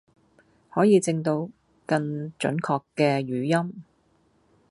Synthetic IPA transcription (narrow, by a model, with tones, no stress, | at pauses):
hɔː˨˥jiː˨˧t͡sɪ˧ŋt̪o˧w | kɐ˧ŋt͡ʃɵ̰˨˥nkʰɔː˧kːɛː˧ɥyː˨˥jɐ˥m